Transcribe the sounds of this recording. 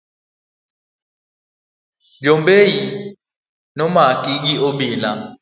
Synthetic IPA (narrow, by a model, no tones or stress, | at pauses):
d͡ʒɔmbeji | nɔmakʼiɡiʔoɓiːla